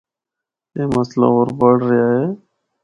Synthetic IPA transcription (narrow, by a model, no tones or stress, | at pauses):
eːməsla̰ːoːɾbəɽɾɪjaːɦeː